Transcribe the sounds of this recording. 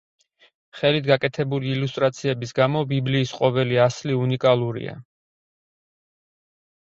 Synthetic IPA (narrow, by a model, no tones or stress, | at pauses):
χɛlit̪ʰɡakʼɛt̪ʰɛbuliːlust̪ʼɾat̪sʰiɛbisɡamɔbibliːsqʼɔvɛliasliunikʼalˠuɾḭa̰